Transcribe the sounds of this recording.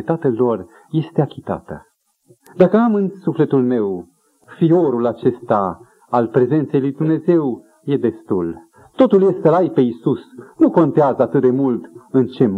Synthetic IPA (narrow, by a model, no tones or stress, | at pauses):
t̪at̪elo̞r | je̞st̪eakʲit̪a̰t̪ə̰ | d̪akəamɨnsufle̞t̪ulme̞w | fio̞ɾulat͡ʃe̞st̪a | alpɾe̞ze̞nt̪se̞jlujd̪umne̞ze̞w | je̞d̪e̞st̪ul | t̪o̞t̪ulje̞st̪əlajpe̞isusnuko̞nt̪eazəat̪ɨt̪̚d̪e̞mult̪ɨnt͡ʃe̞m